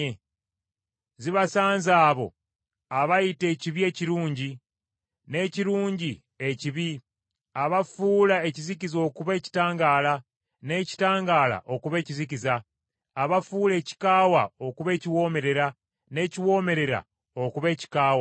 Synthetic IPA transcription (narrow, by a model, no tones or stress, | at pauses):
e | ziβasaːnzaːβo̞̰ | aβajite̞ːciβie̞ːciɾuːɲɟi | ne̞ciɾuːɲɟi | eciβi | aβafuːlae̞cizikizo̞ːkuβe̞ːci̥taːŋɡaːla | ne̞ci̥taːŋɡaːla̰ʔo̞kuβe̞ːcizikizaː | βafuːle̞ːci̥kaːwao̞kuβe̞ːciwo̞ːme̞ɾe̞ɾa | ne̞ːciwo̞ːme̞ɾe̞ɾa̰ | o̞kuβe̞ːci̥kaːwa